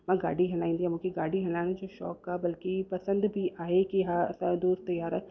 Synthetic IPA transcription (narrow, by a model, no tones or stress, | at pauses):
ʋɛ̃ɡa̰ːɽiɦɛlaːĩnd̪iɦɛ̃mũkiɡaːɽiɦɐlaːnad͡ʒoːʃɔ̰ːkːabɐlkipɐsə̃nd̪bʱiaːekiasad̪uːɾt̪ɐjaːɾɛː